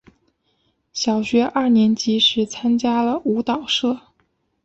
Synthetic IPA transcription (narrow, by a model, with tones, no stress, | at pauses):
ɕjɑ˨˩ʊɕɥɛ˧˥ʔa˥˩njɛ˧˥nt͡ɕi˧˥ʂɻ̩˧˥t͡sʰa˥nt͡ɕja˥lə˨u˧˥t̪ɑ˨˩ʊʂɤ˥˩